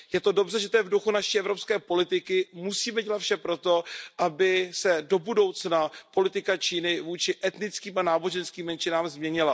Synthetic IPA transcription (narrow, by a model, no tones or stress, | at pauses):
jɛt̪o̞do̞brɛʒɛt̪ojɛvduxunaʃiːʔɛvɾopskɛːpo̞lɪt̪ɪkɪmusiːmɛɟɛlat̪fʃɛpɾo̞t̪o̞ʔabɪsɛdo̞budo̞wt͡snapo̞lɪt̪ɪkat͡ʃiːnɪvuːt͡ʃɪʔɛt̪nɪt͡skiːmanaːbo̞ʒɛnskiːmːɛnt͡ʃɪnaːmzmɲɛɲɪla